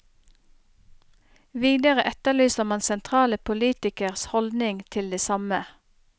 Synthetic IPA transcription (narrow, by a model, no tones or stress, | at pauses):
ʋiːd̪əʁəʔɛt̪əlyːsəʁmɑnsɛnt̪ʰʁɑːləpʰʊliːt̪ɪkəʁshɔld̪nɪŋt̪ʰɪld̪eːsɑmə